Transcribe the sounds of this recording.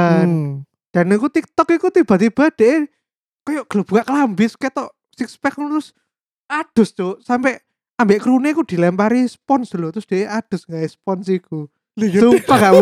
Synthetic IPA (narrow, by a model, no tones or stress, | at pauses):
an | d̥a̤nikut̪ik̚t̪ɔkikut̪ib̥a̤t̪ib̥a̤d̪̥eʔe | kɔjɔʔɡ̥ələb̥ṳkaʔklambɪsket̪ɔʔ | sikspɛknt̪ɾʊs | ad̪̥ʊ̤sd͡ʒosampɛʔ | ambeʔkɾunekud̪̥i̤lɛmpaɾispɔnsd̥ulot̪ɾʊsd̪̥e̤ʔeʔad̪̥ʊ̤sŋɡaispɔnsiku | supaŋɡaʔ